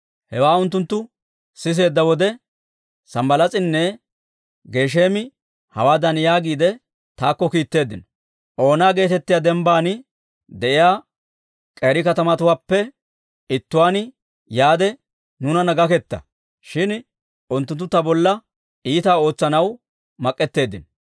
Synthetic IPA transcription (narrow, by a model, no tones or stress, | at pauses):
hɛwaːʊnt̪̬ːʊnt̪ːʊ | sɪs̬e̞ːd̪ːɐwɔd̪ɛ | sɐmbɐlɐt͡sʼɪnːɛ | ɡe̞ːʃ̬eːmɪ | hɐ̰waːd̪ɐnjaːɡiːd̪ɛ | t̪aːkːɔkiːt̪ːe̞ːd̪ːɪnɔ | ʔo̞ːnaːɡe̞ːt̪ɛt̪ːɪjaːd̪ɛmbaːnɪ | d̪ɛʔɪjaː | kʼeːɾɪkɐt̪ɐmɐt̪ʊwaːpːɛ | ɪt̪ːʊwaːnɪ | jaːd̪ɛ | nʊnɐnɐɡɐkɛt̪ːɐ̰ | ʃɪn | ʊnt̪ːʊnt̪ːʊt̪ɐbɔlːɐ | iːt̪aːo̞ːt͡sːɐnɐw | mɐkʼːɛt̪ːe̞ːd̪ɪnɔ